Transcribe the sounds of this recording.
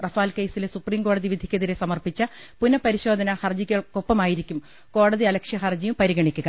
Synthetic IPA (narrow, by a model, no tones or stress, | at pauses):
rɐfaːlke̞jsilesupriːmko̞ːɽɐðiʋid̪ʱi̥kʲːɐðiɾesɐmɐrpit͡ɕːɐpunːɐpɐɾiɕo̞ːd̪ʱɐnɐhɐrd͡ʑikʲːɐɭkopːɐmaːjiɾikʲːum | ko̞ːɽɐðiɐlɐkʂjɐɦɐrd͡ʑijumpɐɾiɣɐɳikʲːuɣɐ